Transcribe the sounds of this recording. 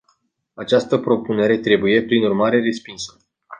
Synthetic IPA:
at͡ʃast̪əpɾo̞pune̞ɾe̞t̪ɾe̞buje̞pɾinurmaɾe̞ɾe̞spinsə̥

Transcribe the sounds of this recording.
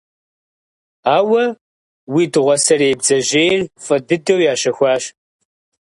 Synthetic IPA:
aːwɐ | wiːdɨʁʷɔsɐreːjbzɐʑeːrfʼɐdɨdɐwjaːɕɐxʷɑːɕ

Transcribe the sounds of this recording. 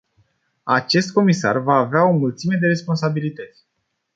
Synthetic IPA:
at͡ʃe̞st̪̚ko̞misa̰rvaːveao̞mult̪sime̞d̪e̞ɾe̞spo̞nsabilit̪ət̪sʲ

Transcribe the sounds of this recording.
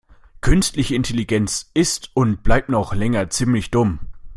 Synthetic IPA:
kʰʏnstlɪçəɪntʰeliɡɛnt͡sɪstʊnt̚b̥laɪp̚tnɔχlɛŋɐt͡siːmlɪçd̥ʊm

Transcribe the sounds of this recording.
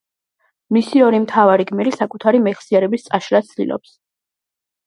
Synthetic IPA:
misiɔɾimt̪ʰavaɾiɡmɛɾisakʼut̪ʰaɾimɛχsiaɾɛbist̪sʼaʃɾasʰd̪ḭlˠɔ̰ps

